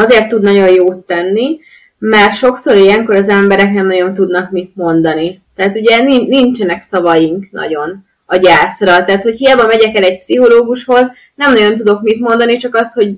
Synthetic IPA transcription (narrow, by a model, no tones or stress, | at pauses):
ɒzeːrt̪ːud̪nɒɟo̞njoːt̪ːɛnːi | mɛrʃo̞kso̞ɾijɛŋko̞ɾɒzɛmbɛɾɛknɛmnɒɟo̞nt̪ud̪nɒkmit̪̚mo̞nd̪ɒnit̪ɛɦat̪uɟɛninint͡ʃɛnɛksɒvɒjiŋknʔɒ̰ɟo̞n | ɒɟaːsrɒt̪ɛːt̪ho̞chijaːbɒmɛɟɛkɛlɛɟ̚psiɦo̞loːɡuʃho̞z | nɛmnɒɟo̞nt̪̬ud̪o̞kmit̪mo̞nd̪ɒnit͡ʃɒkɒst̪ho̞ɟ